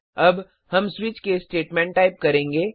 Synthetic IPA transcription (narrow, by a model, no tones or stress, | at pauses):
ɐb | hɐmswɪt͡ʃkesʈeːʈmɛ̃ɳʈːaːɪp̚kɐɾẽːŋɡeː